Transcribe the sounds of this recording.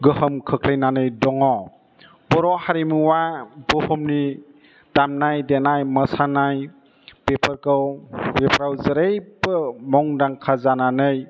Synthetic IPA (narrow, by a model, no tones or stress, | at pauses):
ɡɯhɯmkʰɯkʰlejnanɯjdɔŋɔ | bɔɾɔhaɾimuwabɔhɔmni | d̥amnajdenajməsanaj | bepʰəɾkɯwbepɾawzɯɾejbɯmɔŋdaŋkʰazananɯj